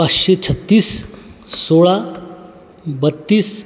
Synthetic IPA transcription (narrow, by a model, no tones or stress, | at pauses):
at͡sɕet͡ɕʰət̪ːiːssoɭa | bət̪ːiːs